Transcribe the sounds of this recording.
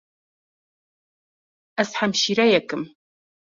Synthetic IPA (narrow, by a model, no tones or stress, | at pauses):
ɐsħamʃiːɾɐjɛkʼɨm